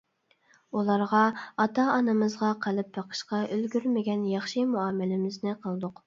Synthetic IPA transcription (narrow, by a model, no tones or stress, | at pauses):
ulˠɑɾʁɑɑt̪ɑɑnɨmɨzʁɑqʰəlˠɨp̚bɑqʰə̥ʃqɑølɡʲyɾmɪɡʲɛnjɑχʃimuɑːmɪlɪmɪznɪqʰəlˠd̪ʊq